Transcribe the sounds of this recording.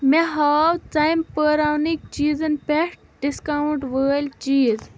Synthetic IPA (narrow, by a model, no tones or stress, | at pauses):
meɦaːwt͡sɐjmpəːɾaːwnik̚t͡ʃiːzɐnpeʂʈ | ɖiskawuɳʈʋəːlʲt͡ʃiːz